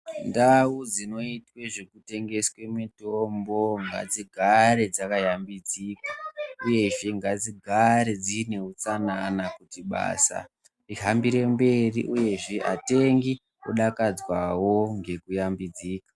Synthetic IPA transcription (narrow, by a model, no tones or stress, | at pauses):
ndawud͡zino̞itweʐekute̞ŋɡe̞swe̞mitombo̞ŋɡa̰d͡ziɡʱaɾe̞d͡zakajambid͡ziːkḁuje̞ʐe̞ŋɡad͡ziɡʱaɾe̞d͡zine̞ut͡sananakutiɓa̰ːsa̰ | iɦambiɾe̞mbe̞riʔuje̞ʐeʔate̞ŋɡi | uɗakad͡zwawo̞ŋɡe̞kujambid͡ziːkḁ